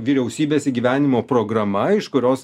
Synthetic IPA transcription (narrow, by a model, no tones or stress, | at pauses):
ʋʲiːɾʲɛʊsʲiːbʲeːsʲɪɡʲiʋʲæːnʲɪmoːpɾoːɡɾɐmɐɪʃkʊɾʲoːs